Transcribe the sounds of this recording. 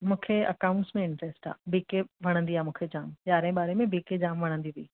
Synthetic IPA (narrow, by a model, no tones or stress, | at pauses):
mũːkʰeɐ̰kaːʊ̃ɳʈsmẽɪ̃ɳʈɾesʈa̰ːbiːkeʋɐɽ̃ə̃nd̪iaːmũːkʰed͡ʑaːmjaːɾɦɪ̃ɓaːɾemẽbiːked͡ʑaːmʋɐɽ̃ə̃nd̪iʋiiː